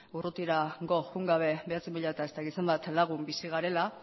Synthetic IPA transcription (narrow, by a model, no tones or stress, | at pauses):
urut̪iɾaɡo̞xuŋɡaβ̞e̞be̞at͡simbiʎat̪ae̞st̪aɣit͡sembat̪laɣ̞umbisiɣ̞aɾe̞la